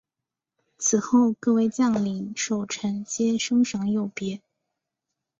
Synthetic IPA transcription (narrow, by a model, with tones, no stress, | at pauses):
t͡sʰɹ̩˨˩xo˥˧ʊkɤ˥˧we˥˧ɪt͡ɕjɑ˥˩ŋli˨˩˦ʂo˨˩ʊʈ͡ʂʰə˧˥ŋt͡ɕjɛ˥nʂɤ˥ŋʂɑ˧˥ŋjo˥˩ʊpjɛ˧˥